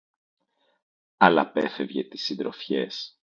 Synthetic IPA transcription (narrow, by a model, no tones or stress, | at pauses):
ɐlɐ̰pe̞fe̞vʝe̞t̪i̥sind̪ɾo̞fçe̞̰s